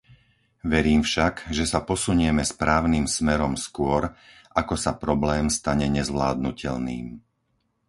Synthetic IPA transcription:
ʋɛɾiːmfʃaɡʒɛsapɔsuɲɛmɛspɾaːʊnimsmɛɾɔmskʊɔɾ | ʔakɔsapɾɔblɛːmst̪aɲɛɲɛzʋlaːd̪̚nucɛʎniːm

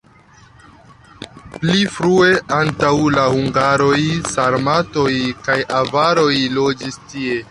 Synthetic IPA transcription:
plifɾue̞ʔantawlahuŋɡaɾo̞jsaɾmato̞jkajavaɾo̞jlo̞d͡ʒistie̞

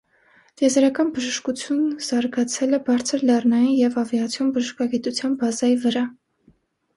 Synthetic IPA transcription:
t̪jɛzɾɑkɑnbəʒəʃkut͡sʰjunz̥ɑɾɡɑt͡sʰɛlɛbɑɾt͡sʰəɾlɛrnɑjinjɛvɑvjɑt͡sʰjɔnbəʒəʃkɑɡit̪ut͡sʰjɑnbɑzɑjivəɾɑ

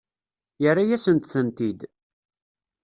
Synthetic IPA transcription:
jərːajæsənt̪θənt̪id̪

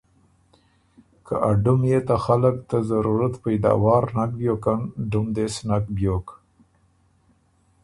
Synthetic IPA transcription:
ka̰ʔaɖʊmjet̪axaləkt̪azaɾuɾat̪pajd̪a̰wɑːɾnakbjokanɖʊmd̪esnakbjok

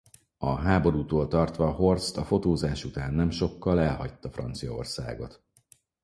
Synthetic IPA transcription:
ɒɦaːbo̞ɾuːt̪oːlt̪ɒrt̪ʋɒɦo̞rst̪ɒfo̞t̪oːzaːʃut̪aːnːɛmʃo̞kːɒlɛlɦɒc̚t̪ːɒfrɒ̰nt̪sijɒo̞̰rsa̰ːɡo̞t̪

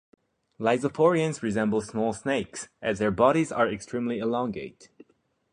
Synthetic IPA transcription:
laɪzəpʰɔɹiɨ̃nzɹɨzɛ̃mbl̩ˠsmɔlˠsneɪksʔɨzðə˞bɑɾizə˞ɛkstʰɹ̥ĩmliəlɔ̃ŋɡeɪt

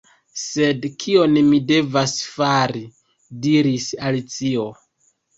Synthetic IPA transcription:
se̞dkʰio̞nmide̞vasfaɾi | diɾisalit͡sio̞

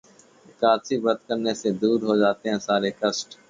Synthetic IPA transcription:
kaːsibət̪̚kəɾnesed̪uːɾɦod͡ʒaːt̪eɦɛ̃ːsaːɾeːkəsʈ

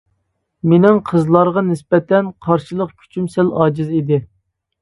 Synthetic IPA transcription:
menɪŋqʰəzlˠɑɾʁɑnɪspɛt̪ʰɛnqʰɑɾʃɨlˠəqkʲʰy̥t͡ʃʰymsælɑːd͡ʒɨzid̪ɪ

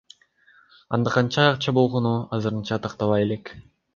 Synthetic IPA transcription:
ɑ̰nd̪ɑqɑnt͡ʃɑɑqt͡ʃɑbo̞lˠʁo̞nuɑzɯɾɯnt͡ʃɑt̪ʰɑqt̪ɑβɑje̞le̞k

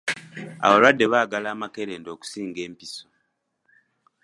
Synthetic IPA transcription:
a̰βalwadːe̞βaːɡalaːmake̞ɾe̞ːndo̞ːku̥siːŋɡe̞ːmpiso

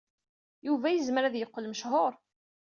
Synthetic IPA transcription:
juvæjəzməɾæðjəqːəlməʃhoɾˤ

